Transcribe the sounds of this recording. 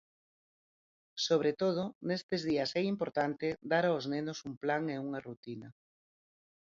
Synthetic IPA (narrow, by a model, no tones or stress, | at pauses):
soβ̞ɾet̪oð̞onest̪ezðiasɛimpoɾt̪ant̪ɪd̪aɾaoznenʊsumplaŋeuŋarut̪inɐ